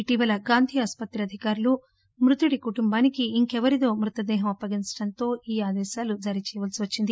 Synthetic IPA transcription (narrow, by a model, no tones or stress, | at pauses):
iʈiːʋɐlɐɡaːnd̪ʱiːaːspɐt̪ɾiɐd̪ʱikaːɾulu | mɾut̪uɽikuʈumbaːnikiiŋkɛʋɐɾit̪o̞ːmɾut̪ɐd̪ɛːɦɐmɐpːɐɡiɲt͡ʃɐɽɐnt̪o̞ːʔiːaːd̪ɛːʃaːlud͡ʒɐɾit͡ʃɛːjɐʋɐlsiʋɐt͡ʃːind̪i